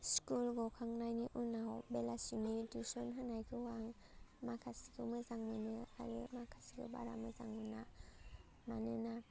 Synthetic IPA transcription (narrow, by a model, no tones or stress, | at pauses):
skulɡɔkʰaŋnajniʔunawbelasimidusɔnɦanajkʰɯwaŋ | makʰasi̥ɡʰɯmɯzaŋmɯnɯja̰kʰa̰ɾɯmakʰasiɡɯ̰ba̰ɾa̰mɯza̰ŋmɯna | manɯna